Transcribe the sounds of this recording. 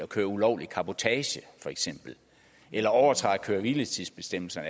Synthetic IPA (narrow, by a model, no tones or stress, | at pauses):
ɒ̽kʰøːɐulɒʊlikʰɑ̈b̥o̝t͡sʰɛːɕəfɒ̽eɡ̥sem̰b̥l̩ | ʔelɐɒʊɐt͡sʰʁɑ̈ɪkʰøːɐʋilət͡sʰiðˠsb̥e̝sd̥em̰l̩sɐnə